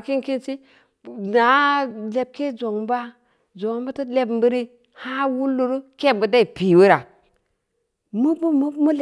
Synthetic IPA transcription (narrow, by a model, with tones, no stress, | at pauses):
ki˦nki˦nt͡ʃi˦ | na˨˦le˨b̚ke˦d͡ʒo˨ŋ˦ba˦ | d͡ʒo˨ŋ˦ba˦ta˦le˦bm˦bu˦ɾi˦ | ha˦wu˦lːu˨ɾu˦ke˦˨m˨bu˨da˦i˨pi˨wu˦ɾa˨ | mu˦bu˦mu˦mu˦l